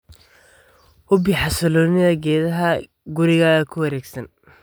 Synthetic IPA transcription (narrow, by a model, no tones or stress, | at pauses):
hʊbiħɑsɐlɔːnɪðɐɡɛːðɐɦɐ | ɡʊɾɪɣaːɣɐkʰʊwɐɾɛːɡsɐn